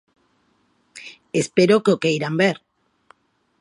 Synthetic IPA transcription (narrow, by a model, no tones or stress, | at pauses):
espeɾokeokejɾambeɾ